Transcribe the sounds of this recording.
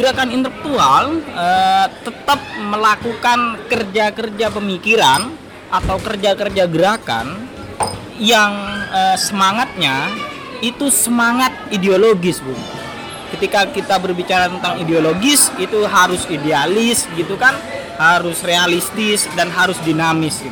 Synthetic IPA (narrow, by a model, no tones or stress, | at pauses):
ɡ̥əɾakanint̪ələk̚t̪ualət̪ət̪əp̚məlakukankərd͡ʒakərd͡ʒapəmikiɾan | ʔat̪awkərd͡ʒakərd͡ʒaɡəɾaka̰n | jaŋəːsəmaŋat̪̚ɲa | it̪usəmaŋat̪̚ideoloɡɪsbuɡit̪u | kət̪ikakit̪abərbit͡ʃaɾat̪ənt̪aŋideoloɡɪsit̪uɦaɾʊsidealɪsɡit̪ukan | haɾʊsrealist̪ɪsdanɦaɾʊsdinamɪsɡi